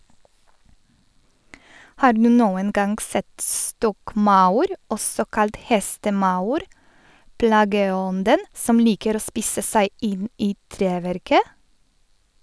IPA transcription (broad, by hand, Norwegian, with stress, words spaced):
ˈhɑː ˈɖnʉː ˈnoːən ˈɡɑŋɡ ˈsɛt ˈstɔkˌmɑʊɾ ˈɔsɔ ˈkɑlt ˈhɛstəˌmɑʊɾ ˈplɑːɡəˌɔndən ˈsɔm ˈliːkəɾ ˈoː ˈspiːsə ˈsæɪ ˈɪn ˈiː ˈtɾeːˌʋɛɾkə